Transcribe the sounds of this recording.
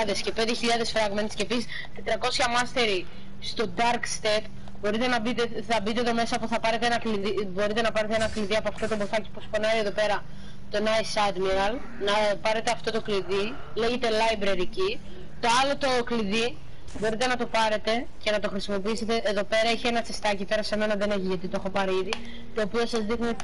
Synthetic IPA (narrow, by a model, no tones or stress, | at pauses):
ðesce̞pend̪eçiʎɐðe̞sfɾɐɣment̪scepisis | t̪it̪ɾɐko̞sçɐmɐst̪e̞ɾi | st̪o̞d̪ɐɾkst̪e̞t̪ | bo̞ɾit̪enɐbt̪θɐbit̪eeðome̞sɐːpoθɐpɐɾe̞t̪eenɐkliðibo̞ɾit̪e̞nɐpɐɾet̪eenɐkliðiɐpoɐft̪o̞t̪o̞boθɐci̥puspo̞nɐɾieðo̞pe̞ɾɐ | t̪o̞nɐisɐd̪miɾɐl | nɐpɐɾe̞t̪eɐft̪o̞t̪o̞kliði | le̞ʝe̞t̪e̞lɐibɾeɾici | t̪o̞ɐlo̞t̪okliði | bo̞ɾit̪e̞nɐt̪o̞pɐɾe̞t̪e̞ | ce̞nɐt̪o̞xɾisimo̞piise̞t̪e̞ːðo̞pe̞ɾɐiçenɐt͡se̞st̪ɐcipe̞ɾɐse̞me̞nɐðe̞ne̞çiʝɐt̪it̪oo̞xopɐɾiiði | t̪o̞ːpio̞sɐzðixni